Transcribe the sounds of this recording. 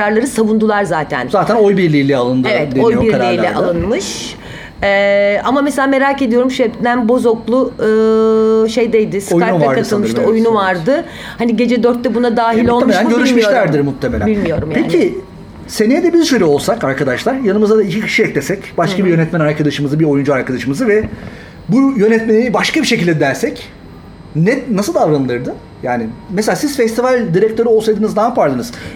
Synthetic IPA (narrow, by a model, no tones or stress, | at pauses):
ɾaɾlˠaɾɯsavund̪ulˠaɾzaːt̪ʰæ̰nzaːt̪ʰæno̞jbiɾlʲiːlʲɛalˠɯnd̪evɛt̪eojiɾaɾiːlʲɛʔalˠɯnmɯʃ | ɛamameselʲaːme̞ɾaːce̞d̪ijo̞ɾumʃɛbd̪ænbo̞zoklˠuɯːʃe̞jd̪ejd̪ɪsojkaɾuvaɾdkaɯt̪ɯlˠmɯʃt̪ojunuvaɾd̪ɯ | haniɟe̞d͡ʒɛd̪øɾt̪ːɛbunad̪aːɦilʲolˠmeʃʲænmɟøɾyʃmiʃolʲæɾd̪iɾmut̪ʰːemelʲæ̰bilʲmijo̞ɾumjpec̪ʰi | se̞nijɛd̪ɛbizʃøjɾʲɛo̞lˠsakaɾkʰad̪aʃlˠaɾjanɯmɯzad̪aicʰicʰi̥ʃijɛclʲesɛcbaʃkʰabijø̞nɛt̪mænaɾkʰad̪aʃɯmɯzɯbiɾo̞jund͡ʒuaɾkad̪aʃɯmɯzɯvɛ | bujø̞nɛt̪me̞nibaʃkabiʃe̞cʰilʲd̪ɛd̪æɾsɛc | nɛnasɯlˠd̪avɾanɯlˠɯɾd̪ɯ | jaːnɪmɛselʲasizfɛst̪ivalʲd̪iɾɛc̚t̪ʰø̞ɾuo̞lˠsajd̪ɯnɯznaːpʰaɾd̪ɯnɯz̥